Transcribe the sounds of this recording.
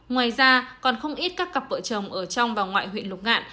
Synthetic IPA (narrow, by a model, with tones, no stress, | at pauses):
ŋwaː˨˩jzaː˧kɔ˨˩nxə˧wŋ͡mʔi˦˥t̚kaː˦˥kːa˨˩p̚və̰˧˨t͡ɕə˨˩ŋ͡mʔəː˧˩t͡ɕɔ˧wŋ͡mvaː˨˩wŋwa̰ː˧˨jɦwḭ˧˨nlʊ˨˩k͡p̚ŋa̰ː˧˨n